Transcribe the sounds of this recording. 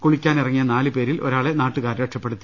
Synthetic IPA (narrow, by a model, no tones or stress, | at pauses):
koɭikʲːaːnirɐŋːijɐnaːlɨpe̞ːɾilo̞̰ɾaːɭenaːʈːuɣaːɾɾɐʂɐpːe̞ɽut̪ːi